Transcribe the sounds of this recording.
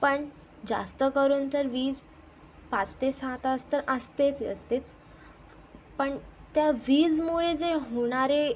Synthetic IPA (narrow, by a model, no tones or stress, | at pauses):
pəɳ | d͡za̰st̪əkəɾuːnt̪əɾʋiːd͡z | pat͡st̪esãt̪ast̪əɾəst̪et͡sə̰st̪et͡s | pəɳt̪jaʋiːd͡zmuɭed͡zeɦoɽ̃aɾe